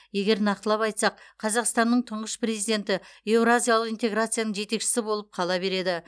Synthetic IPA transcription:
je̞ɡʲe̞ɾnɑqt̪əlˠɑpɑjt̪sɑq̚qʰɑzɑqst̪ɑnːəɴt̪ʰəɴʁəʃpre̞zijd̪e̞nt̪ɪe̞wɾazʲijalˠəqint̪e̞ɡɾat̪sɨjanəɴʒe̞t̪e̞kʃɪ̥sɪbo̞lˠəp̚qʰɑlˠɑbe̞ɾe̞d̪ɪ

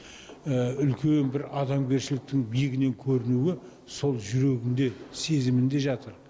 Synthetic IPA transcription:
əʏlkʲe̞nbɪɾɑd̪ɑmɡʲe̞ɾʃɪlɪk̚t̪ɪŋbijɪɡʲɪne̞ŋkʲʰɵɾɪnuɪ | so̞lˠʒʏɾe̞ɡʲɪnd̪e̞se̞zɪmɪnd̪e̞ʒɑt̪əɾ

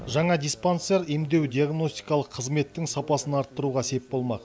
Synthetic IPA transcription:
ʒɑɴɑd̪ʲijspant̪seɾemd̪e̞wd̪ʲijaɡno̞st̪i̥jkɑlˠəqʰːəzme̞t̪ːɪŋsɑpɑsənɑɾt̪ːəɾuʁɑse̞pbo̞lˠmɑq

